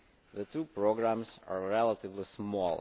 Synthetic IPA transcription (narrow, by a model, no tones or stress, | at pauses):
ðətʰupɹoɡɹæ̃mza̰ɹɹɛlˠətɪvlismɔlˠ